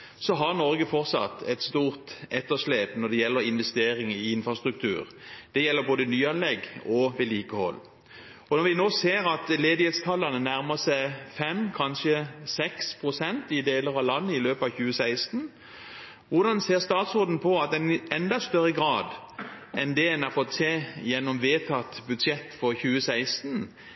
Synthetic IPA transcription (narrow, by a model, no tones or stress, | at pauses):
sɔɦɑʁnɔɾɡəfɔʁt̪sɑ̰t̪ːɛt̪st̪uːʁt̪ɛt̪ːəʂleːpnɔʁd̪ɛjɛlːəɾɪnʋɛst̪eːɾɪŋɪɪnfʁɑst̪ʁʉk̚t̪ʰʉ̰ːɾd̪̥ɛjɛlːəboːd̪ənyːɑnlɛɡɔʋɛliːkəhɔ̰lː | ɔnɔɾʋɪnoːseːɾɑt̪leːd̪ɪheːt̪st̪ʰɑlːɑnənæʁməsæɪfɛmkʰɑnʃəsɛkspʰʁʊsɛnt̪ɪd̪eːləɾɑʋlɑnːəɪløːpɑʋçʉːəsæɪst̪n̩ | ʋʊʁd̪ɑnseːʁst̪ɑːt̪soːd̪n̩pʰɔɑt̪ɛnɛnd̪ɑst̪œɾəɡɾɑːd̪ | ʔɛnd̪ɛɛnɑʁfɔt̪seːjɛnːɔmʋeːt̪ʰɑt̪bʉd̪sjɛt̪ːfɔʁçʉːəsæɪst̪n̩